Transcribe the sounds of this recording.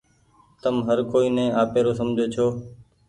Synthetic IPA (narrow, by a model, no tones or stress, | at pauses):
t̪əmɦəɾkoːiːnɛ̃ːaːpeːɾoːsəmd͡ʒʱoːt͡ʃʰoː